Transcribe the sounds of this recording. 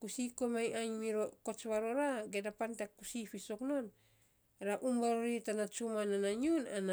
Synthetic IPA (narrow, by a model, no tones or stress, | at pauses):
kusikomajaɲmiɾokot͡ʃβaɾoɾaɡedapantakusifisoknon | ɾaʔumbaɾoɾitanat͡ʃumananaɲuna̰na